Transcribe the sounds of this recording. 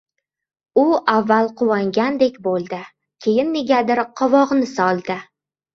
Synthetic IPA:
ʊavːalˠqʰʊwaŋɡʲand̪e̞kʲbolˠd̪ɪ | kʲʰe̞jɪnːeɡʲad̪ɪɾqʰɒvɒʁnɪsɒlˠd̪ɪ

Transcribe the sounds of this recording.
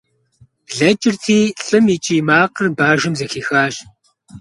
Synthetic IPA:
ɮɐt͡ʃʼɪrtʰiːɬʼɨmit͡ʃʼiːmaːqərbaːʒɨmzɐxiːxaːɕ

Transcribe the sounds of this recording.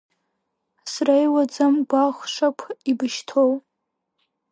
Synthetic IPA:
srajwad͡zamɡʷaχʷʂakʷʰibɨʃtʰow

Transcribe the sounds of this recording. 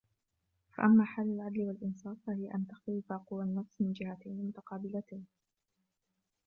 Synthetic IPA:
fa̰ʔamːaːħaːlːalʕad̪lɪwalʔɪnsˤɑːfːahɪjaʔant̪axt̪alɪfaqʊwanːɑsˤsˤmɪnd͡ʒɪhat̪ajnɪmʊt̪ɑqɑːbɪlat̪ajn

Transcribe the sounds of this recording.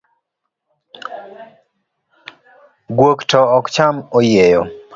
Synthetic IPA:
ɡwoktɔɔkt͡ʃamojejɔ

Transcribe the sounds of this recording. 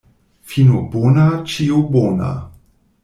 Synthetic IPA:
finubonat͡ʃiubona̰

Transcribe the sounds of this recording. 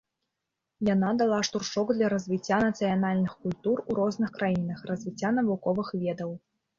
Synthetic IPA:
janad̪alˠaʂt̪urʂɔɡd̪lʲɐɾɐzʲvʲit͡sʲːanɐt̪sɨjanalʲnɨxkulʲt̪uruɾɔznɨxkɾajinɐxrɐzʲvʲit͡sʲːanɐvukɔvɨxvʲɛd̪ɐw

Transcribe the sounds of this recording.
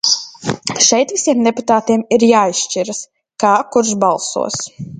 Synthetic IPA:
ʃɛjt̪visiɛmd̪ɛput̪aːt̪iɛmiɾjaːisʃt͡ʃiɾas | kaːkuɾʃbalˠsṵɔs

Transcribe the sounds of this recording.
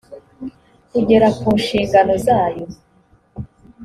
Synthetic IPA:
uɟe̞ɾakuːnʃiːŋɡano̞zaːjo

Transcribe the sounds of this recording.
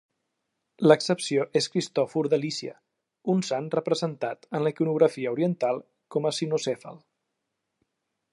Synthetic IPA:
ləksəpsioʔeskɾist̪ɔfuɾðəlisiə̰ | unsanrəpɾəzənt̪at̪ənləikunuɣ̞ɾəfiəuɾiənt̪alˠ | kɔməsinusefə̰lˠ

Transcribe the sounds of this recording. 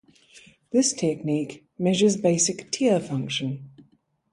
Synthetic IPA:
ðɪstʰɛk̚niˑk | mɛʒəzbeɪsɪktʰiəfʌ̃ŋkʃə̃n

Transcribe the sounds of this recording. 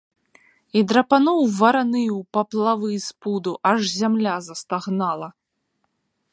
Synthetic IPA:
id̪ɾɐpanɔwvɐɾanɨwpɐplˠavɨspud̪uʔaʐzʲamlʲazɐst̪aɣnalˠɐ

